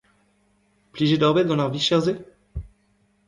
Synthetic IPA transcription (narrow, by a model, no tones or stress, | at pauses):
pliʒed̪ɔʁbɛt̪̚ɡ̪ɑ̃laʁviʃɛʁze